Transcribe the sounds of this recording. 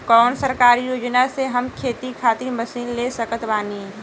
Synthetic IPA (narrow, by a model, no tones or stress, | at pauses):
kɔːnsəɾkaːɾijoːd͡ʒnaseɦɐmkʰeːt̪ikʰaːt̪iməsiːnlesəkət̪baːni